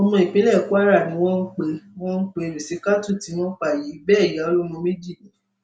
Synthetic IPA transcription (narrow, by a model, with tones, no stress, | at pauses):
ɔ˧mɔ̃˧i˨k͡pĩ˨˦lɛ˦˨ku˦a˦ɾa˦˨nĩ˨˦w̃ɔ̃˦n̩˦k͡pe˧wɔ̃˦n̩˦k͡pe˧˦˨ɾi˨si˨˦ka˦tu˦˨ti˨˦w̃ɔ̃˦k͡pa˦˨ji˨˦bɛː˦˨ja˨˦o˧lo˦mɔ̃˧me˦d͡ʒi˦˨nĩ˨˦